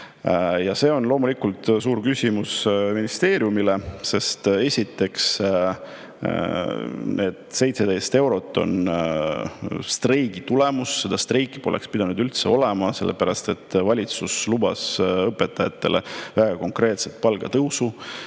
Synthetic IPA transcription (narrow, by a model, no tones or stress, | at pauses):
jɑse̞ːo̞nlo̞ːmulikult̪suːɾkysʲimusminist̪e̞ːɾjumilese̞st̪e̞sʲit̪ːˑe̞ks | ne̞ːd̪̥se̞jt̪sed̪ejst̪e̞wɾo̞t̪ˑːo̞̰n | st̪rejɡ̥it̪ule̞musːe̞d̪̥ɑst̪rejkːi̥po̞lɛ̰kspid̪ɑnud̪ylt̪se̞o̞lɛmɑse̞̰lːḛpæɾɑst̪e̞t̪ːˑvɑlʲit̪suslub̥ɑsɤpːe̞t̪ːɑjɑt̪ːe̞le̞̰væɡ̥ɑko̞ŋkrɾe̞ːt̪set̪̚pɑlɡ̥ɑt̪ɤwsu